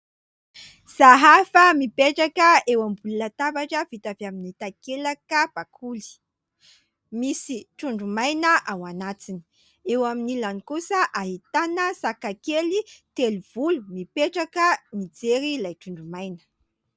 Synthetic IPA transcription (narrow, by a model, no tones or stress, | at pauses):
z̥aɦafəmipeʈ͡ʂakəewambulunat̪abaʈ͡ʂəvit̪avaminit̪akelakəb̥akʰuli̥ | misiʈ͡ʂuɳɖ͡ʐumajnəʔawanat͡sini̥ | ewaminilanikusəʔaɦit̪anəsakakelit̪eliv̥ulumipeʈ͡ʂakənid͡zeɾilajʈ͡ʂuɳɖ͡ʐumajnə̥